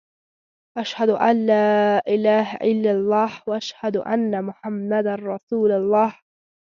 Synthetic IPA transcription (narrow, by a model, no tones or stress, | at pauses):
ʔaʃhad̪ʊʔalːaːʔɪlaːɦaʔɪlːalˤːɑːhwaʔaʃhad̪ʊʔa̰nːamʊħamːad̪anɾˤɑsuːlʊlˤːɑːh